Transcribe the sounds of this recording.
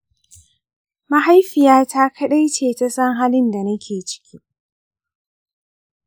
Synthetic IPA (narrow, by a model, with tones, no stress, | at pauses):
ma˦ɦa˦jɸɪ˨jaː˦tʰa˦kʰɐ˦ɗa˦jt͡ʃeː˨ta˦sɐ˦ŋɦaː˦lɪ˦nda˨nɐ˦kʲʰeː˨t͡ʃɪ̥˦kʲʰi˦